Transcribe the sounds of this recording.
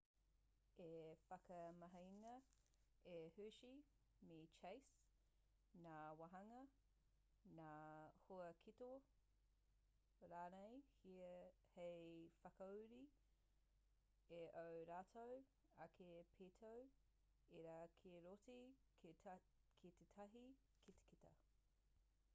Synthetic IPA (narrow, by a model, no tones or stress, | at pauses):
efɐkɐmɐɦɐjnɐ | ehʉʃi | met͡ʃejs | naːwɐɦɐŋɐ | nahoɐkʰito | ɾaːnejhi | hejfɐkɐuɾi | eʔowɾaːtʰow | ɐkʰepʰeːtʰow | eɾakʰeɾotikʰe | kʰitetʰɐɦi | kʰite̥kitɐ̰